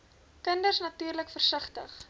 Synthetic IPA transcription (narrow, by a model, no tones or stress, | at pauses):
kəndərsnɐtyːrləkfərsəχtə̰χ